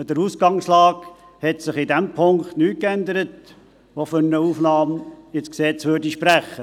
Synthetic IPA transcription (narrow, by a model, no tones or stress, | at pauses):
d̥əɾuːsɡɑŋslɑːɡ | hɛtsɪχidɛmpʰʊŋkχtnyːt̚kænd̪əɾət̚ | ʋofʏɾnəufnɑːmɪsksɛt͡sʋøːɾdiʃpɾæχːə